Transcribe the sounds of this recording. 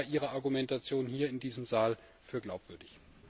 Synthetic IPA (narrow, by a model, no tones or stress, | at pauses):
ʔiːʁ̞ɐaɐɡumɛntat͡sjoːnhiːɐɪndiːzəmzaːl | fyːɐɡlaʊpv̥ʏɐdɪç